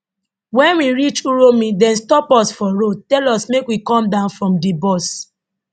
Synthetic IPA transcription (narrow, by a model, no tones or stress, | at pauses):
wɛ̃nwiɹit͡ʃuɹomĩdɛ̃nstɔpɔsfɔɹod̚tɛlɔsmekwikɔ̃mdãʊ̃nfɹɔ̃mdibɔs